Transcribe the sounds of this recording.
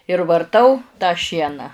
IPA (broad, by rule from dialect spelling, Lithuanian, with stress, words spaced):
ɪr ʋɐrˈtɐʊ tɑː ˈʃʲiɛnɑː